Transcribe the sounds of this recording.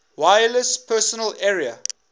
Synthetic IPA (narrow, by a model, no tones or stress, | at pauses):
waɪələspʰɜːsɔnəlɛɹiə̰